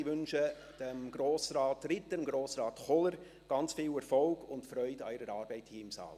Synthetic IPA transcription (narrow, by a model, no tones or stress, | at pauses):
ɪʋʏnʃə | d̥əmɡ̥ɾoːsɾɑːtrɪtːəmɡɾoːsɾɑːtχɔləɾ | ɡ̥ɑnt͡sfiːwɛɾfɔlɡ̥ʊntfɾœʏdɑ̰ɪɾəɾɑːɾbɛɪthiːəɪmsɑ̰ːl